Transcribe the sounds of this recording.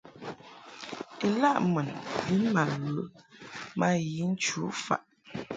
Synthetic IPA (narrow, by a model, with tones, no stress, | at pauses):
e˨la˦ʔmə˨nbi˦nma˨ɣə˨˦ | ma˦ji˨˦n̩˦t͡ʃu˨˦fa̰˨ʔ